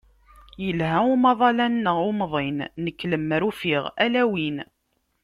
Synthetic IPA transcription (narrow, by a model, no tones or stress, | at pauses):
jəlɦæumɑðˤɑlænːəʁumðˤinːəkːləmːɾufiʁælæwin